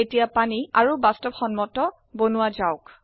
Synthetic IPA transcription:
etijapaniaɹubastɔpxɔnmɔtɔ | bonuwazaʊk

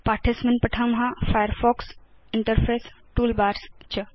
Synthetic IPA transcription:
paːʈʰesmenpəʈʰɐmɦãfajəɾfɔːks | iɳʈəɾpʰɾesʈuːlbaːɾst͡ʃʰə

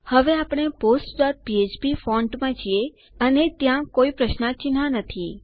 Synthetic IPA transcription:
həʋeapɽ̃eposʈd̪at̪̚piet͡ʃbifɔɳɖmãd͡ʒʰie | ənet̪jãkoipɾəʃnãt͡ʃɪnãnət̪ʰi

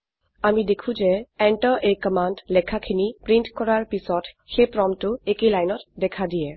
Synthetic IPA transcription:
amidekʰũzɛɛɳʈɔʔejkɔmandlɛkʰakʰinipɹintkɔɹaɹpisɔt | xepɹɔmtʊekelajnɔtdɛkʰadijɛ

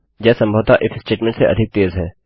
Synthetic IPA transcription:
d͡ʒɛːsɐ̃mbʱəʋt̪aʔɪfʰsʈeːʈmɛ̃ɳʈseʔɐ̰d̪ʱɪk̚t̪eːzɦɛː

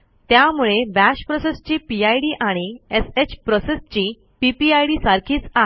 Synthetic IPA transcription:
t̪jamuɭeʋæɕpɾɔsest͡ɕiːpiajɽiːʔaɽ̃ieset͡ɕpɾɔsest͡ɕiː | pipiajɽiːsaɾkʰiːt͡sa

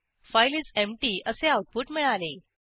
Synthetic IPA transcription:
fajlit͡semʈiːəseawʈ̪̚puʈmiɭale

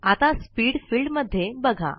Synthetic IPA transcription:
at̪aspiːɽfiːɭɖməd̪ʱːjebəɡʱa̰

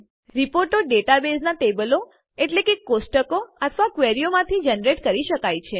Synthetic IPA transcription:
ɾipoɾʈoɖeʈabesnaʈebəlo | eʈlekekːosʈəkoət̪ʰʋakʋeɾijomãt̪ʰid͡ʒənɾeʈkəɾiʃəkajt͡ʃʰe

